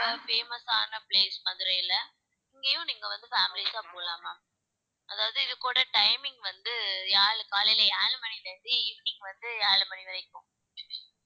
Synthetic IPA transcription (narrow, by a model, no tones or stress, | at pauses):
ɐfeːmɐsaːnɐpleːsmɐðɪɾɐjɪlɐ | ɪŋɡɐjʊ̃niːŋɡɐʋɐnd̪ɯfaːmɪlɪsaːpoːlaːmaː | ʔɐðaːʋɐðɯɪðɯkːoːɽɐʈɐɪmɪŋɡʋɐnd̪ɯjaːɭkaːlɪlɐaːlɯmɐnit̪ɐd̪iɪʋniŋɡʋɐnd̪ɯaːɭɯmɐniʋɐɾɐɪkːʊ̃